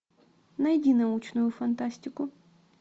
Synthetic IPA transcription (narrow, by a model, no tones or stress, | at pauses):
nɐjdʲinɐut͡ʃnʊjʊfɐnt̪asʲtʲɪkʊ